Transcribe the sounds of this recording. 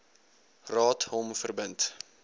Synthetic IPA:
rɑːtɦɔmfərbənt

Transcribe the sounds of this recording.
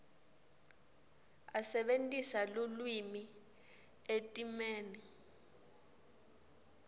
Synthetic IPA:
asɛɓentʼisalulwimi | etʼimeːni

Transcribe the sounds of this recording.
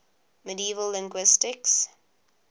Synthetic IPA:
mədiiːvəlːɪ̃ŋɡwɪstɪks

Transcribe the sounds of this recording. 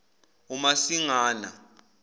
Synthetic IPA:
umasiŋaːna

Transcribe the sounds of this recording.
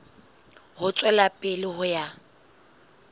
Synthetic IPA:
hʊt͡sʼwɛlapʼɪlɪɦʊja

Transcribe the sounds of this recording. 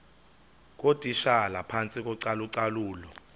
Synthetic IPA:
k̬ʼotʼiʃalapʰant͡sʼik̬ʼɔǀaluǀaluːlɔ

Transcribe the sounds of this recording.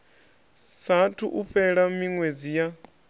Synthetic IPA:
satʰṵʔuɸɛɺamiŋwed͡zija

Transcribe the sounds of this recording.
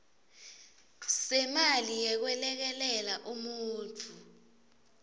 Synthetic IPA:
sɛmalijɛk̬wɛlɛk̬ɛlɛlaʔumuːnt͡fʰu

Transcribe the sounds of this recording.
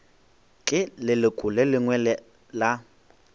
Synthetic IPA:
kʼɪlɪlɪkʼʊlɛlɪŋwɛlɛ | la

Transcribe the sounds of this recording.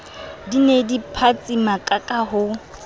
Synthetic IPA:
dinedipʰat͡sʼimakʼakʼaɦʊ

